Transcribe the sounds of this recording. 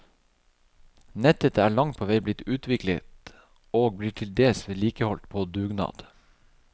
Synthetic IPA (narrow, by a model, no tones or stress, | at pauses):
nɛt̪ət̪æːɭɑŋt̪̚pʰoːʋæɪblɪt̪ʉːt̪ʋɪklə̰t̪ | oːɡ̚b̪iːʈʰɪld̪eːsʋliːkəhɔlt̪̚pʰoːd̪ʉːɡnɑ̰ːd̪̥